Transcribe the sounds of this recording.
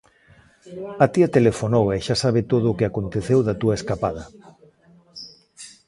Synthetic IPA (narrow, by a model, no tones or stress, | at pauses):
at̪iɐt̪elefonowɛʃasaβ̞ɪt̪oð̞ʊːkɪakont̪eθewðɐt̪uɐeskapað̞ɐ